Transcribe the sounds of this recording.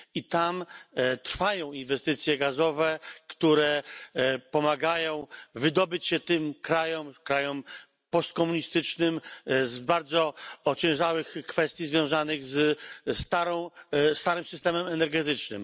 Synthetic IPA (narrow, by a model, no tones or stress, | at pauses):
it̪amt̪ɾfajɔ̃w̃invɛst̪ɘt̪sʲjɛɡazɔvɛkt̪uɾɛ | pɔmaɡajɔ̃w̃vɘd̪ɔbɘt͡ɕɕɛt̪ɘmkɾajɔmkɾajɔm | pɔst̪̚kɔmuɲist̪ɘt͡ʂnɘmzbaɾd̪zɔɔt͡ɕɛ̃w̃ʐawɘxkfɛst̪ʲjizvʲjɔ̃w̃zanɘɣzst̪aɾɔ̃w̃st̪aɾɘmsɘst̪ɛmɛmɛnɛɾɡɛt̪ɘt͡ʂnɘ̰m